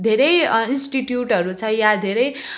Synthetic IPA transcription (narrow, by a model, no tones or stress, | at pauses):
d̪ʱeɾʌjinsʈiʈjuʈʌɾut͡sʰʌjad̪ʱeɾʌj